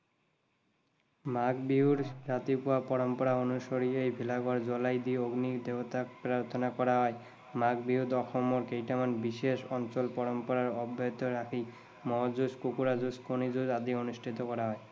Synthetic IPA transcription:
makbiɦuɾd͡ʑat̪ipuapɔɽompɔɾaonuʃoɾiejbʱilaɡoɾd͡ʑɔlajd̪ioɡnid̪eot̪akpɾaɾt̪ʰonakɔɾaɦɔe | maɡ̚biɦud̪ɔxʰomoɾkejʈamanbiʃeʃɔnt͡ɕolpɔɽompɔɾaɾɔbːot̪oɾakʰi | mɔd͡ʑuskukuɾad͡ʑuskonid͡ʑud͡ʑad̪ionuʃʈʰit̪okɔɾaɦɔe

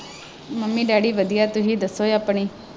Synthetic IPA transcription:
məmːĩːɖaːɽiːʋəd̪ijaːt̪ʊɦiːd̪əsːoːeaːpɳiː

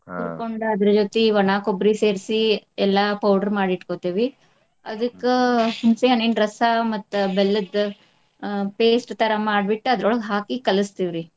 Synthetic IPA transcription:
t̪uɾkoɳɖuɐd̪ɐɾɐd͡ʒoːt̪eʋɐɳaːkobɾiseːɾsiɛlːɐpɐwɖɐɾmaːɽiʈkoːt̪iːʋi | ɐ̰d̪ɐkːehumseɐnːeːɳɖɾɐsamɐt̪ːbelːɐd̪ | peːsʈt̪ɐɾɐmaːɖbiʈːuɐd̪ɾoɭɡɦaːkikɐlɨst̪iʋɾi

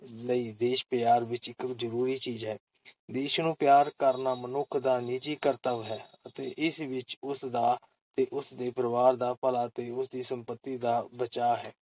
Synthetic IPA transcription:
ləiːd̪eːʃpjaːɾʋɪt͡ʃɪkzəɾuːɾiːt͡ʃiːzɦɛː | d̪eːʃnũːpjaːɾkəɾnaːmənʊkʰd̪aːniːt͡ʃiːkəɾt̪əʋɦɛːət̪eːʔɪsʋɪt͡ʃʊsd̪aː | t̪eːʔʊsd̪eːpəɾəʋaːɾd̪aːpəlaːt̪eːʊsd̪iːsəmpət̪ːiːd̪aːbət͡ʃaːɦɛː

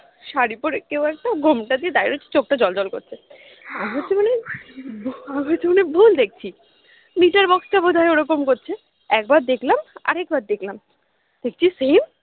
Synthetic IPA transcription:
ʃaɾipoɾekewɛk̚ʈaɡʱomʈad̪ied̪ajɾot͡ɕʰi̥t͡ɕok̚ʈad͡ʑɔld͡ʑɔlko̰ɾt͡ɕʰe | aɦoːɕʰemone | aɦot͡ɕʰemanebʱuld̪ek̚t͡ɕʰi | niʈaɾbɔksʈabod̪ʱaeoɾokomkoɾt͡ɕʰe | ɛk̚bad̪d̪ekʰlama̰ɾɛk̚bad̪d̪ekʰlam | d̪̥ek̚t͡ɕʰisem

